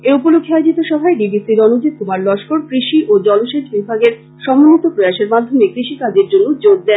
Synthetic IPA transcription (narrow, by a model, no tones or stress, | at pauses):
eupolokʰːeajod͡ʑit̪oʃɔbʱaeɖibisiɾɔnud͡ʑet̪̚kʰumaɾlɔʃkoɾkɾiʃiʔod͡ʑɔloʃed͡ʑbibʱaɡeɾ | ʃɔmonːit̪opɾojaʃeɾmad̪ʱːomekɾiʃikad͡ʑeɾd͡ʑonːod͡ʑoɡ̚d̪ɛn